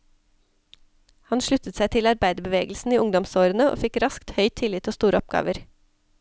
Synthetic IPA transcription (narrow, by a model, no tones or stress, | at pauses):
hɑnʃɭʉt̪ət̪sæɪt̪ʰɪlɑɾbæɪd̪əbəʋeːɡl̩sn̩iːʊŋd̪ɔmsoːɾənəʔo̰ːfɪkɾɑskt̪hœʏt̪ʰɪlɪt̪ʰoːst̪uːɾəɔp̚ɡɑ̰ːʋəɾ